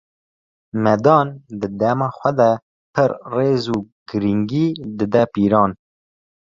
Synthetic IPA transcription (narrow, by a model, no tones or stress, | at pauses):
mɛd̪ɑːnd̪ɨd̪ɛmɑːxʷɛd̪ɛ | pʰɨɾreːzuːɡ̥ɨɾiŋɡiːd̪ɨd̪ɛpiːɾɑːn